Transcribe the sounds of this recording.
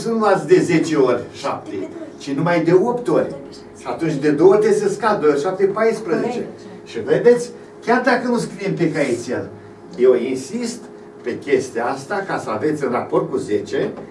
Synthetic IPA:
sunuat̪sʲd̪e̞ze̞t͡ʃe̞orʲʃap̚t̪ḛt͡ʃinumajd̪e̞o̞pt̪o̞rʲ | at̪unt͡ʃʲd̪e̞d̪o̞wət̪est̪eskad̪ojorʲʃap̚t̪epajspɾəze̞t͡ʃe̞̰ | ʃive̞d̪e̞t̪sʲ | kʲard̪akənuskɾiemp̬ekait̪sijel | je̞winsist̪ | pe̞kʲe̞st̪eaast̪akasəave̞t̪sʲɨnrapo̞rt̪̚kuze̞t͡ʃe̞

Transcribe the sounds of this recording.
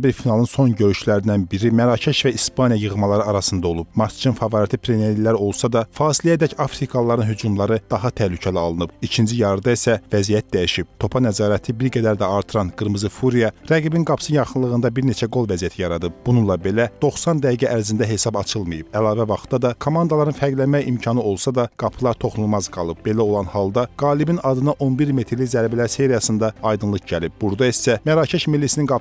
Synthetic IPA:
biɾfinɑlˠɯnso̞nɟøɾyʃlæɾind̪ænbiɾimæɾɑcʰeʃvæispʰɑnijɑjɯʁmɑlˠɑɾɯɑɾɑsɯnd̪ɑo̞lˠub̥mɑɾt͡ʃʰɯnfɑvɑɾit̪ʰipʰɾeneɾilːæɾo̞lˠsɑd̪ɑfɑːsilijæd̪æcɑfɾikʰɑlˠːɑɾɯnɦyd͡ʒumlˠɑɾɯd̪̥ɑɦɑt̪ʰæhlycʰæliɑlˠɯnɯb̥icʰind͡ʒijɑɾɯd̪ɑisævæzijæt̪̚d̪æjiʃib̥̚t̪ʰo̞pʰɑnæzɑːɾæt̪ʰibiɾɡæd̪æɾd̪æɑɾt̪ʰɯɾɑnɡɯɾmɯzɯfuɾijɑɾæɡibinɡɑpʰsɯnjɑχɯnlˠɯɣɯnd̪ɑbiɾne̞t͡ʃʰæɡo̞lˠvæzijæt̪ʰijɑɾɑd̪ɯb̚b̥ununlˠɑbe̞læd̪̥o̞χsɑnd̪æhiɡæʔæɾzind̪æɦe̞sɑbɑt͡ʃʰɯlˠmɯjɯb̥ælˠɑːvævɑχt̪d̪ɑd̪ɑkʰomɑnd̪ɑlˠɑɾɯnfæɡlænmæjḭmcʰɑnɯo̞lˠsɑd̪ɑɡ̥ɑpʰlˠɑɾt̪ʰo̞χnulˠmɑzɡɑ̰lˠɯb̚be̞læo̞lˠɑnhɑlˠd̪ɑɡ̥ɑːlibinɑd̪ɯnɑʔo̞nbiɾme̞t̪ʰɾlizæɾbælæɾse̞ɾijɑsɯnd̪ɑɑjd̪ɯnlˠɯkɟælib̚buɾd̪ɑisæmæɾɑːcʰɛʃmilːisininɡɑ

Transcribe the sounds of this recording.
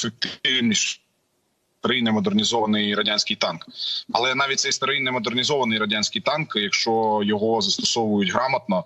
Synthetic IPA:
sʊkʲt̪ɪnʲiʃ | t̪ɐɾɪjnɛmɔd̪ernʲizɔʋɐnɪjɾɐdʲanʲsʲkɪjt̪ɑnkɐ̰lˠɛnɑʋʲit̚ʲt̪sɛjst̪ɐɾɪjnɛmɔd̪ernʲizɔʋɐnɪjɾɐdʲanʲsʲkɪjt̪ɑnkjɐkʃt͡ʃɔjɔɦɔzɐst̪ɔsɔʋʊjʊtʲɦɾɑmɐt̪nɔ

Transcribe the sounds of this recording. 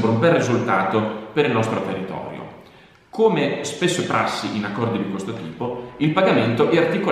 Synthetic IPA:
bɾumbɛrːizult̪aːt̪opeɾilnɔst̪ɾot̪erːit̪ɔ̰ːɾjo̰ | koːmespesːopɾʔasːḭʔinakːɔrd̪id̪ikwest̪ot̪iːpoilpaɡament̪oʔɛart̪iko

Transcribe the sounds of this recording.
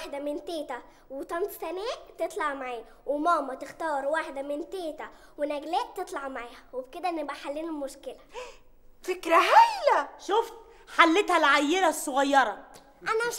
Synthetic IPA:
aħd̪æment̪eːt̪æ | wet̪ˤɑnt̪sænæːʔt̪et̪ˤlɑʕmaʕaː | wemɑːmɑt̪ext̪ɑːɾˤwaːħd̪æment̪eːt̪æ | wenæɡlæːʔt̪et̪ˤlɑʕmaʕaːhæwebked̪æʔnːebæħalːiːnelmoʃkelæ | fekɾæhæjlæʃoft̪̚ | ħalːet̪hælʕajːelæsˤːoɣɑjːɑɾˤɑ | ʔænæ

